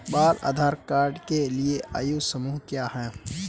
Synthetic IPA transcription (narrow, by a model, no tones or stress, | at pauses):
baːla̰ːd̪ʱaːɾkaːɾɖkelieʔʔa̰ːjusəmuːɦkjaːɦɛː